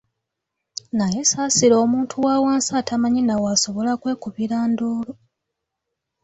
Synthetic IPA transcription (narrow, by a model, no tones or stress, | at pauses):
najesaːsiɾoːmuːntʰuwaːwaːnsaːtʰamaɲinawaso̞βo̞lakwe̞ːkuβiɾaːnduːlo